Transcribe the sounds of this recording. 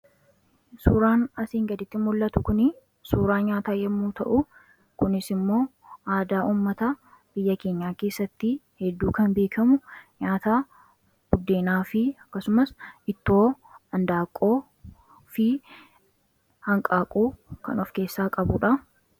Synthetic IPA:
suːɾaːnɐsiːŋɡɐd̪ɪt̪ːɪmʊlːɐt̪ʊkʊnɪ | suːɾaːɲaːt̪aːjɛmːuːt̪ɐ̰ʔʊ | kʊnɪsɪmːo̞ː | ʔaːd̪aːʔuːmːɐt̪ɐ | b̥ɪjːɐke̞ːɲːaːke̞ːsːɐt̪ːɪhɛd̪ːuːkɐnbe̞ːkʰɐmʊɲaːt̪aː | b̥ʊd̪ːe̞ːnaːfɪɐkːɐsʊmɐsɪt̪ːo̞ː | ɐnd̪aːkʼːo̞ː | fɪ | hɐŋkʼaːkʼuːkɐ̰nɔfke̞ːsːaːkʼɐbʊᶑɐ

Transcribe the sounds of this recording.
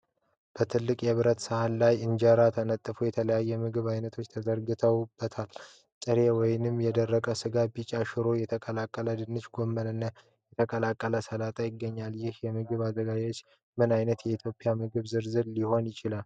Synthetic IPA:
b̥ət̪ʰɨlːɨkʼjɛβɨɾət̪sɨhanːajɨnd͡ʒəɾat̪ʰənət̪ʼːəfujɛt̪ʰələjajːɛmɨɡɨβajnət̪ʰo̞t͡ʃːt̪ʰəd̪əɾɡɨt̪ʰəwb̥ːət̪ʰal | t̪ʼɨɾewɔjnɨmjɛd̪ərːəkʼəsɨɡabit͡ʃʼaʃɪɾo̞jɛt̪ʰəkʼəlakʼːələd̪ɨnːɨt͡ʃɡo̞mːənɨnːə | jɛt̪ʰəkʼəlakʼːələsəlat̪ʼajɪɡːəɲːaljɪhjɛmɨɡɨβad̪əɡad͡ʒat͡ʃː | mɨnajnət̪jɛit̪ʰjo̞pʼːɪjamɨɡɨβzɨɾzɨɾliho̞njɪt͡ʃɪlal

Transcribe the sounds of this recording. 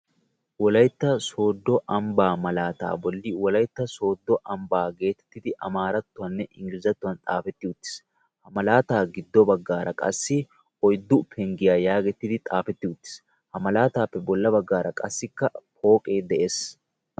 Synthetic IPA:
wɔlɐjt̪ːɐso̞ːd̪ːɔʔɐmbaːmɐlaːt̪a̰ːbɔlːɪwɔlɐjt̪ːɐso̞ːd̪ːɔʔɐmbaːɡe̞ːt̪ɛ̥t̪ːɪd̪ɪʔɐ̰maːɾɐt̪ːʊɐnːɛʔɪŋɡɪɾɪzɐt̪ːʊɐnt̪ʼaːfɛt̪ːɪʊt̪ːɪ̥s | hɐmɐlaːt̪aːɡɪd̪ːɔbɐɡːaːɾɐkʼɐ̰sːɪ | ɔjd̪ːʊpʰɛŋɡɪjaːjaːɡɛt̪ːɪd̪ɪt̪ʼaːfɛt̪ːɪʊt̪ːɪ̥s | hɐmɐlaːt̪aːpːɛbɔlːɐbɐɡːaːɾɐkʼɐsːɪkːɐpʰo̞ːkʼe̞ːd̪ɛʔeːs

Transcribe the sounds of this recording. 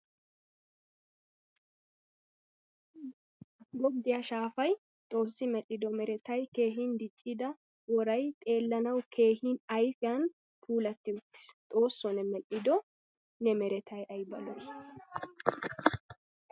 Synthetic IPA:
ɡɔd̪ɪjɐʃaːfɐj | t̪ʼo̞ːsːɪmɛʔɪd̪ɔmɛɾɛt̪ɐjke̞ːɦind̪ɪt͡ʃʼːɪd̪ɐ | wɔɾɐjt̪ʼe̞ːlːɐnɐwkʰe̞ːhinɐjfɪjan | pʰuːlɐt̪ːɪʊt̪ːɪ̥st̪ʼo̞ːsːɔnɛmɛʔɪd̪ɔ | nɛmɛɾɛt̪ʰɐjʔɐjbɐlɔj

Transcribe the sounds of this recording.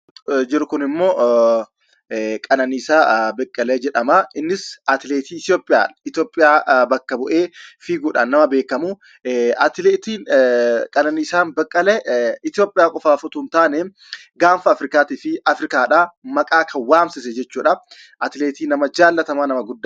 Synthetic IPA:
d͡ʒɪɾʊkʊnɪmːo̞ː | kʼɐnɐniːsaːbɐkʼːɐled͡ʒɛᶑɐmɐɪnːɪsɐt̪ɪleːt̪iːɪt̪jo̞ːpʼːɪja̰ːᶑɪt̪jo̞ːpʼɪjaːbɐkːɐbʊʔeːfiːɡuːᶑɐ̰nːɐmɐbe̞ːkɐmu | ɐt̪ɪleːt̪iːkʼɐnɐniːsaːnbɐkʼːɐlɛɪt̪ɪjoːpʼːɪjaːkʼɔfaːfɔt̪ʊnt̪aːnɛ | ɡaːnfɐːfɾɪkaːt̪iːfɪʔɐfɾɪkaːᶑamɐkʼaːkʰɐwaːmsɪs̬ɛd͡ʒɛt͡ʃːuːᶑɐ | ʔɐt̪ɪleːt̪iːnɐmɐd͡ʒaːlːɐt̪ɐmanɐmɐɡʊd̪ː

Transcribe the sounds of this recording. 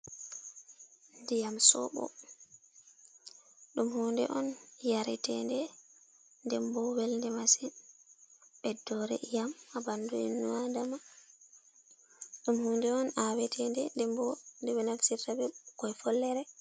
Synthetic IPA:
ndijamsɔ̰ɓɔ̰ | ɗumhuːndɛ̰ʔɔnjaɾɛtɛndɛ | ndɛmbɔwɛlndɛmasin | ɓɛdɔɾɛʔijamabanduɛnːuadama | ɗumhuːndɛɔnawɛtʰɛndɛndɛmbɔndɛɓɛnaksiɾtabɛkɔjfɔlːɛɾɛ

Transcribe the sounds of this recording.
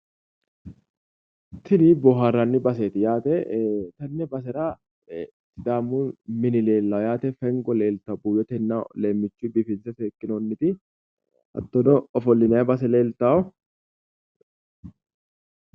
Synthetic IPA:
t̪ʰɪniːbɔɦaːrːanːɪbɐs̬eːt̪ɪjaːt̪ɛt̪ɐnːɛbɐs̬ɛɾa | t̪ːɪd̪aːmːʊːnmɪnɪle̞ːlːɐjaːt̪ɛfɛŋɡɔle̞ːlt̪ɐbuːjɛt̪ɛnːale̞ːmːɪt͡ʃːuːbɪfɪnsɐfeːkːɪnonːɪt̪ɪ | ʔɐ̰t̪ːɔnɔɔfɔlːɪnɐjɐbɐs̬ɛle̞ːlt̪aːɔ

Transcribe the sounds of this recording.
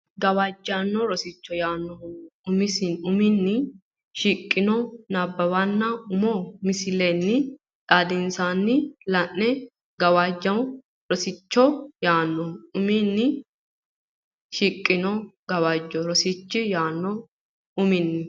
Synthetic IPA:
ɡɐwaːd͡ʒːanːɔɾɔsɪt͡ʃːɔjaːnːɔʊmɪsɪnʊmɪnːɪ | ʃiːkʼːɪnɔnɐbːɐbɐnːɐʊmɔmɪsɪlenːɪ | ᶑ̪ʼaːd̪ɪnsanːɪlɐnːɛ | ɡɐwaːd͡ʒːɐw | ɾɔsɪt͡ʃːɔjaːnːɔʊmɪnːɪ | ʃiːkʼːɪnɔɡɐwad͡ʒːɔɾɔsɪt͡ʃːɪjaːnːɔ | ʊmɪnːɪ

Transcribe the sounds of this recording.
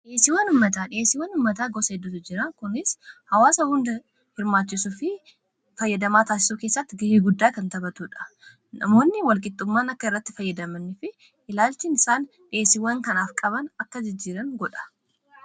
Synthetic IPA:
ᶑɪʔeːsːɪwɐnʊmːɐt̪aːᶑɪeːsːɪwːɐnʊmːɐt̪aːɡɔsɐɛd̪ːʊt̪ʊd͡ʒɪɾɐŋkʊnɪshɐwaːsɐhʊnd̪ɐ | hɪɾmaːt͡ʃːɪsufɪ | fɐjːɐd̪ɐmaːt̪aːsɪ̥suːkeːsːɐt̪ːɪɡɐhiːɡʊd̪ːaːkɐnt̪ɐbɐt̪uːᶑɐ̥ | nɐ̰mo̞ːnːɪwɐlkʼɪt̪ʼːʊmːaːnɐkːɐɪrːɐt̪ːɪfɐjːɐd̪ɐmɐnːɪfɪ | ʔɪlaːlt͡ʃɪːnɪsaːn | ᶑɪeːsːɪwːɐŋkɐnaːfkʼɐβɐnɐkːɐd͡ʒɪd͡ʒːiːɾɐŋɡɔᶑɐ̥

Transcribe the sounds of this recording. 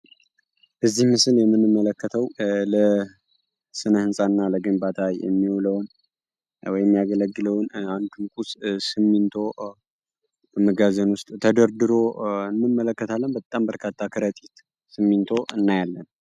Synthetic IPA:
b̥əzːihmɨsɨljɛmːɨnːɨmːələkːət̪ʰəwlə | sɨnəhɨnsʼanːaləɡɨmbat̪ʰajjɛ̰mːihuləwn | wɔjɛmːijaɡələɡːɨləwnand̪ʰunkʼussɨmːint̪ʰo̞ | bəməɡazənwʊst̪ʼt̪ʰəd̪əɾd̪ɨɾo̞ɨnːɨmːələkːət̪ʰalːənbət̪ʼambəɾkʰat̪ʰːakʰɨɾət̪ʼit̪ | sɨmːint̪ʰo̞ʔɨnːajalːən

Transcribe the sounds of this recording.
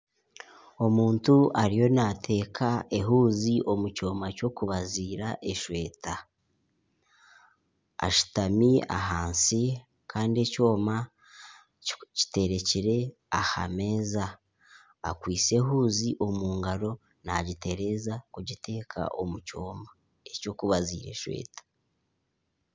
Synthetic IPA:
o̞muːntuʔaɾijo̞natʰe̞ːkʰae̞ɦuːziʔo̞muco̞ːmaco̞kuβaziːɾaʔe̞ʃwe̞ːta | ʃu̥tamia̰ɦaːnsi | kʰaːndie̞co̞ːma | ci̥te̞ɾe̞ciɾe̞ | aha̰me̞zaː | kwiːse̞ɦuːziʔo̞muːŋɡaɾo̞ | na̰ɟite̞ɾe̞zakuɟitʰe̞ːkʰa̰ʔo̞muco̞ːma | eco̞ːkuβazḭːɾe̞̰ʃwe̞̰ːtḁ

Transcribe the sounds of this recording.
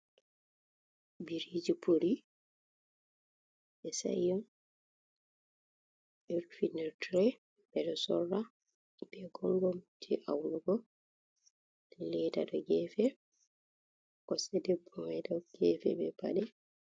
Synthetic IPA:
biɾid͡ʒipʰoɾi | ɛsa̰jɔn | ʔiɾfinɛɾtɾɛ | b̥ɛɗɔsɔrːa | b̥ɛɡɔŋɡɔmtʰiʔawluɡɔ | ɛlɛdadɔɡɛːfɛ | kɔsɛdɛbɔmɛdaɡ̥ɛːfɛ̰bɛba̰ɗɛ

